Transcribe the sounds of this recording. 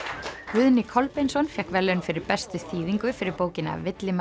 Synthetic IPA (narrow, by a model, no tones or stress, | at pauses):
kvʏðnɪkʰɔlpejnsɔnfjɛhkvɛlːɪʏnfɪɾɪɾpɛst̪ɪθiːðiŋkʏfɪɾɪɾpoːwcɪna̰vɪt̪lɪm